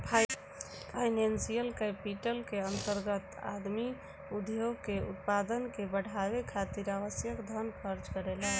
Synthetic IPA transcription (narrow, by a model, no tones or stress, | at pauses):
pʰ | pʰaɪnensijəlkɛpiʈəlkeənt̪əɾɡət̪a̰d̪mi | ud̪joɡ̚keṵt̪̚pad̪ənkebəɽ̤aβekʰat̪iɾaʋəsjəkd̪ʱənpʰəɾd͡ʒkəɾelaɦ